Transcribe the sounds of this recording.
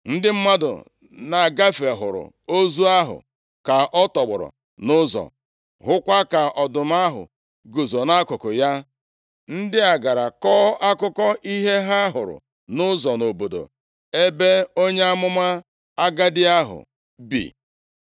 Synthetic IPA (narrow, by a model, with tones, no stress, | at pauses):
n̩˦dɪ˦m̩˦ma˦dʊ̰˨ | na˨ɡa˦fe˨ɦʊ̰˨ɾʊ̰˨ | o˦zu˦a˦ɦʊ̰˨ | ka˨ʔɔ˦tɔ˨ɡ͡bʊ̰˨ɾʊ̰˨ | nʊ˦zɔ̰˨ | ɦʊ˦kʷa˦ka˨ʔɔ˨dʊ˨m˦a˦ɦʊ̰˨ | ɡo˨zo˨na˦kʊ˨kʊ˨ja˦ | n̩˦dɪ˦a˨ɡa˨ɾa˨kɔː˦ʔa˦kʊ˦kɔ˦ʔi˦ɦe˦ɦa˦a˦ɦʊ˨ɾʊ̰˨ | nʊ˦zɔ˨no˨bo˨do̰˨ | e˦be˦o˦ɲe˦a˦mʊ˦ma˦ | a˦ɡa˦dɪ˦a˦ɦʊ̰˨ | bḭ˨